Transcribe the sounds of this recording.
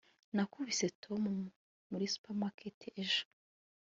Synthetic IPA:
nakuβisetʰomu | muɾisu̥pamakʰeteʔeʒo̥

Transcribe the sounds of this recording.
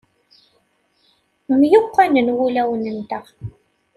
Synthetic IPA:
mjoqːɑnənɣʊlawnənt̪ɑq

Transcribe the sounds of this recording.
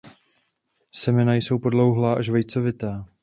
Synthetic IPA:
sɛmɛnajso̞wpo̞dlo̞wɦlaːʔaʃvɛjt͡so̞vɪt̪aː

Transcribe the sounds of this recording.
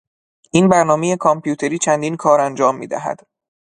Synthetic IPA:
ʔiːnbæɾnɒːmejekʰɒmpʰjuːt̪ʰe̞ɾiːt͡ʃʰænd̪iːnkʰɒːɾænd͡ʒɒːmːḭːd̪æ̰ɦæ̰d̪̥

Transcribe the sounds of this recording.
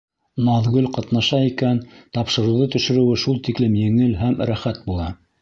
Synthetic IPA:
nɑðɡɵlqɑt̪nɑʃɑikænt̪ɑpʃɤ̆ɾɤ̆wðɤt̪ɵ̆ʃɘ̆ɾɘ̆wɘʃulˠt̪iklɘmjɘ̆ŋɘlɦæmɾæχæt̪̚bulˠɑ

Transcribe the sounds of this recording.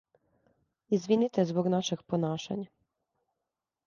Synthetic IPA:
izʋinit̪ezboɡnaʃeɡponaːʃa̰ɲa

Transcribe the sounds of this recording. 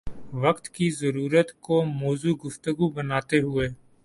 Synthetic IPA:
ʋɐkt̪kizəɾuːɾət̪komɔːzuɡʊft̪əɡubənaːt̪eɦʊeː

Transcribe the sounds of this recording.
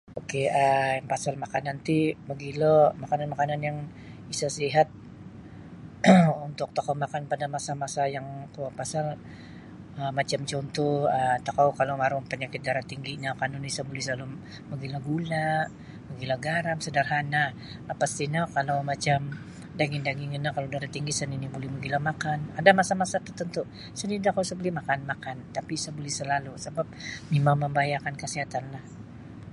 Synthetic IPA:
okeəjaŋpasalmakanant̪iməɡilomakananmakananjaŋ | isasiɦat̪̚ | unt̪ʊk̚t̪okamakanpadamasamasajaŋkuapasal | əmat͡ʃamt͡ʃɔnt̪ɔhət̪akawkalowmaɾʊmpəɲakɪt̪̚ɡaɾat̪iŋɡiɲakanunisabulɪsalʊm | məɡilahɡulaʔ | məɡilahɡaɾamsədarɦana | əpast̪inakalawmat͡ʃam | daɡɪŋdaɡɪŋənakaladaɾat̪iŋɡisəninibolɛhməɡilamakanadamasamasat̪ərt̪ənt̪uʔ | səninit̪akawsəbolɛhmakanmakant̪apisabolɛhsəlalusəbap̚mimaŋməmbajakankəsiɦat̪anlah

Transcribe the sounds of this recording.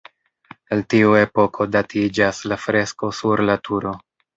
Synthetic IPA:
eltiue̞po̞kʰo̞datʰid͡ʒaslafɾe̞sko̞suɾlatʰuɾo̞

